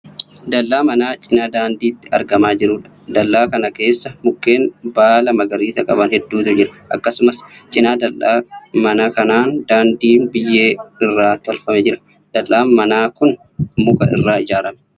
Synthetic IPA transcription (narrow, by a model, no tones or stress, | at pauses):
d̪ɐlːaːmɐnaːt͡ʃʼɪnaːd̪aːnd̪iːt̪ːɪ̥ɐ̰ɾɡɐmaːd͡ʒɪɾuːᶑɐ̥d̪ɐlːaːkɐnɐke̞ːsːɐmʊkːe̞ːnbaːlɐmɐɡɐɾiːt̪ɐkʼɐbɐnhɛd̪ːuːt̪ʊd͡ʒɪɾɐ̥ʔɐkːɐsʊmɐst͡ʃʼɪnaːd̪ɐlːaːmɐnakɐnaːnd̪aːnd̪iːnbɪjːeːɪrːaːt̪ɔlfɐmɛd͡ʒɪɾɐ̥ | d̪̥ɐlʔaːmmɐnaːkʊn | mʊkɐʔɪ̰rːaːɪd͡ʒaːɾɐmɛ̥